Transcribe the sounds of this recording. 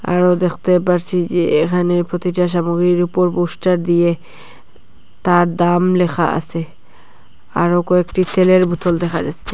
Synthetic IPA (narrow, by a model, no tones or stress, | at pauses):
a̰ɾod̪ekʰt̪epaɾsʰid͡ʒeekʰanepɾot̪iʈaʃ̬amuɡɾiɾupɔɾpusʈaɾd̪ije | t̪aɾd̪amlexʰa̰a̰se | a̰ɾokɔekʈit̪ʰeleɾbut̪ʰɔld̪ɛxʰad͡ʒatːt͡ʃʰe̥